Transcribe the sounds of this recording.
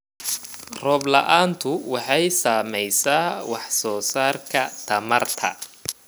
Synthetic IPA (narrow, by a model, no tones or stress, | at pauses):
rɔːblɐ̰ʔaːnt̪ʰʊwɑħɑjsaːmɛjsaːwɑħsɔːsaːrkʰɐt̪ʰɐmɐrt̪ʰɐ̰